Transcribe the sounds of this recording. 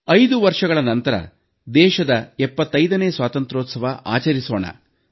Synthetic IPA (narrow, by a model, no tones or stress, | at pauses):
ɐjd̪uʋɐɾʂɐɡɐɭɐnɐnt̪ɐɾɐ̰ | d̪ɛːʃɐd̪ɐɛpːɐt̪ːɐjd̪ɐneːsʋaːt̪ɐnt̪ɾoːt̪sɐʋɐʔa̰ːt͡ʃɐɾiso̰ːɳɐ̰